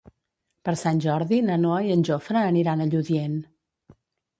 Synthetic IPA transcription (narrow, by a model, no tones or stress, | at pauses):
pəɾsanʲʒɔɾðinənoəiənʲʒofɾəːniɾanəʎuðien